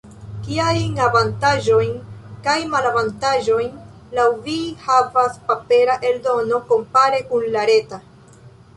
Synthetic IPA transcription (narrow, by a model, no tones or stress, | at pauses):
kiajnavantaʒo̞jnkajmalavantaʒo̞jn | lawvihavaspape̞ɾaʔe̞ldo̞no̞ko̞mpaɾe̞kunlaɾe̞ta